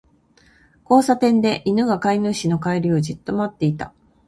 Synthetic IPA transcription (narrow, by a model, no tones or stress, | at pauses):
ko̞ːsat̪ẽ̞nd̪e̞ʔinɯ̟ɡakainɯɕino̞kaiɾʲio̞d͡ʑɨt̪ːo̞mat̪ːe̞it̪a